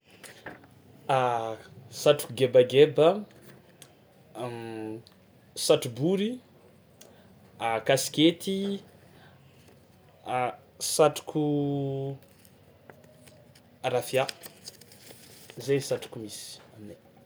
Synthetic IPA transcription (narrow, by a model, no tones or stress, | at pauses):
a | saʈ͡ʂu̥kuɡebaɡebə | saʈ͡ʂubuɾi | akasi̥ket̪ʰi | saʈ͡ʂu̥kʰu | ɾafja | zensaʈ͡ʂu̥kumisi̥amine